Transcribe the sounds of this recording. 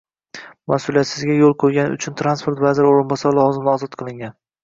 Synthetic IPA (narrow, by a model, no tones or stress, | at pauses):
masulijat̪sɪzɡʲajolˠqʰojɡʲanʊ̰t͡ʃʰʊnt̪ʰɾanspo̞ɾt̪vazɪɾoɾɪnbɒsaɾlˠɒzɪmnɪɒzɒt̪qʰɨlˠɪŋɡʲan